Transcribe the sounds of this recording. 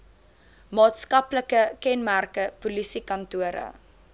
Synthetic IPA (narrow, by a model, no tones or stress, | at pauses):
mɑːtskɐpləkəkɛnmærkəpulisikɐntuəɾə̰